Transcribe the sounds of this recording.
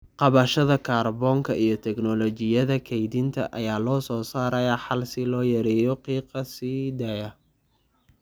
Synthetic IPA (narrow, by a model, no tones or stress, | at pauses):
qɑβɐʃɐðɐkʰaːrbɔːŋkʰɐʔijɞt̪ʰɛɡnɔlɔt͡ʃɪjɐðɐkʰɛjd̪ɪnt̪ʰɐ̰ʔɐjaːlɔːsɔːsaːɾɐjɐħɑlsɪlɔːjɐɾɛːjɔqiːqɐsiːd̪aːjɐ